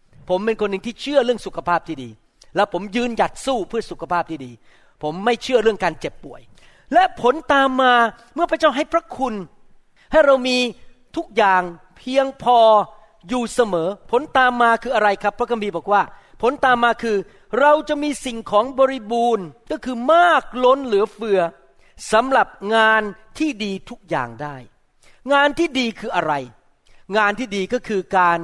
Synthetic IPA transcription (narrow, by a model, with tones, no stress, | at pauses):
pʰo˩˦mpe˧nkʰo˧nːɯ˨˧ŋt̪ʰiː˥˩t͡ɕʰɯ˥˩ɐɾɯ˥˩əŋsu˨˩kʰa˧pʰaː˥˩p̚t̪ʰiː˥˩diː˧ | lɛ˦˥wpʰo˩˦mjɯː˧nja˨˩t̪̚suː˥˩pʰɯ˥˩ɐsu˨˩kʰa˧pʰaː˥˩p̚t̪ʰiː˥˩diː˧ | pʰo˩˦mːa˥˩jt͡ɕʰɯ˥˩ɐɾɯ˥˩əŋkaː˧nt͡ɕe˨˩pːu˨˩əj | lɛ˦˥pʰo˩˦nt̪aː˧mːaː˧ | mɯ˥˩ɐpɾa˥t͡ɕaː˥˩wɦa˥˩jpʰɾa˦˥kʰu˧n | ha˥˩jɾa˧wmiː˧ | t̪ʰu˦˥k̚jaː˨˩ŋ | pʰi˧əŋpʰɔː˧ | juː˨˩sa˧mɤː˩˦pʰo˨˩˦nt̪aː˧mːaː˧kʰɯː˧ʔa˧ɾa˧jkʰɾa˦˥pʰːɾa˦˥kʰa˧mbʰiː˧˩bɔː˨˩k̚waː˥˩pʰo˨˦nt̪aː˧mːaː˧kʰɯː˧ | ɾa˧wt͡ɕa˨˩ʔmiː˧si˨˩ŋkʰɔː˩˦ŋbɔː˧ɾi˦˥buː˧nkɔː˥˩kʰɯː˧maː˥˩k̚lo˦˥nlɯː˩˦ɐfɯ˧ɐ | sa˨˦mɾa˨˩p̚ŋaː˧nt̪ʰiː˥˩diː˧t̪ʰu˦˥k̚ja̰ː˨˩ŋdaː˥˩j | ŋaː˧nt̪ʰiː˥˩diː˧kʰɯː˧ʔa˧ɾa˧j | ŋaː˧nt̪ʰiː˥˩diː˧kɔː˥˩kʰɯː˧kaː˧n